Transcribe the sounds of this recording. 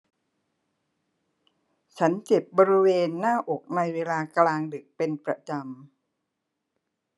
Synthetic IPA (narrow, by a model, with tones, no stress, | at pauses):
t͡ɕʰa˦˥nt͡ɕe˨˩p̚bɔː˧ɾi˦˥weː˧nːaː˥˩ʔo˨˩k̚na˧jweː˧laː˧klaː˧ŋdɯ˨˩k̚pe˧npɾa˧t͡ɕa˧m